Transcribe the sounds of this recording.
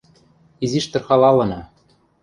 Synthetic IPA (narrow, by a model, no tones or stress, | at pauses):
iziʃt̪ɤ̆rxɑlɑlɤ̆nɑ